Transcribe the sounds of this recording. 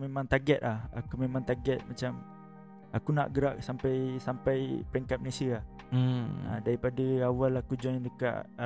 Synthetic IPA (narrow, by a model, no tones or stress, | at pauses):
memãŋt̪aɡɛt̪̚laha̰kumemãŋt̪aɡɛt̪̚mat͡ʃam | akuna̰ʔɡəɾaʔsampajsampajpəɾɛŋkat̪̚malesialah̩ | ə̰daɾipadəawalakud͡ʒɔŋndəka̰ʔ